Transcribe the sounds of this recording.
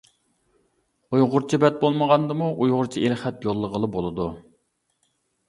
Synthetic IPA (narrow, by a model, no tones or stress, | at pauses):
ujʁʊɾt͡ʃʰibɛt̪̚bolˠməʁɑnd̪ɨmuʔujʁʊɾt͡ʃʰiilχɛt̪jolˠːəʁəlˠɨbolˠɨd̪u